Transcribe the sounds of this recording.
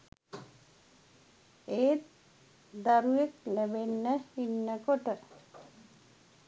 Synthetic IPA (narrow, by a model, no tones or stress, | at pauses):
eːt̪ | d̪aɾueklebenːəinːəkoʈə